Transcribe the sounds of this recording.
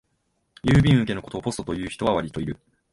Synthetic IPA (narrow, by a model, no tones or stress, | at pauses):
jɯːbʲĩɰ̃ɯ̟ke̞no̞ko̞t̪o̞ːpo̞sɨt̪o̞jɯ̟ːçi̥t̪o̞βaβaɾʲit̪o̞iɾɯ̟